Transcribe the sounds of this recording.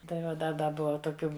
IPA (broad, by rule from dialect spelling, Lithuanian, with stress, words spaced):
tɐɪ ˈʋɐ ˈdɐ ˈdɐ ˈbʊʋɐ toːˈkʲuː